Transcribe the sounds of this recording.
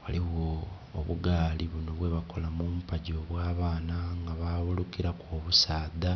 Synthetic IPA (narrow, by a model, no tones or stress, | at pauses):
waliɣo̰ː | βuɡaːliβunoβwe̞βako̞lamuːmupaɟoβwaːβaːnaŋɡaβaːβulukiɾakoːβusaːda